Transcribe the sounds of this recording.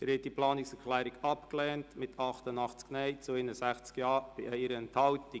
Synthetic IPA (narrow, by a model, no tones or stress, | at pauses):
ɾhɛt̚diplɑːnɪksɛɾklɛːɾiɡɑpklɛːntmɪtɑχtənɑχt͡sknɛɪt͡sʊɪnəsæχt͡skjɑːb̥iʔɛɪɾəɛnthɑlti